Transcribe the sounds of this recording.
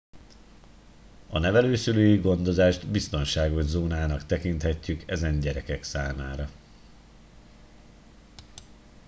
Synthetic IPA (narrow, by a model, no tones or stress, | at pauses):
ɒnɛvɛløːsyløːjiɡo̞nd̪o̞zaːʒd̪bist̪o̞nʃaːɡo̞ʒzoːnaːnɒkt̪ɛkint̪hɛcːykɛzɛɲɟɛɾɛkɛksaːmaːɾɒ